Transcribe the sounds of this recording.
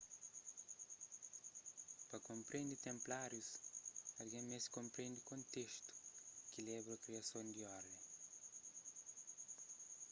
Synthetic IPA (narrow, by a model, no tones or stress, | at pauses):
pɐkõmpɾẽnd̪it̪ẽmplaɾjusɐlɡemeskõmpɾẽnd̪ikõnt̪eʃt̪u̥kilɛβɾɐkɾiɐsõnd̪iɔɾd̪ẽŋ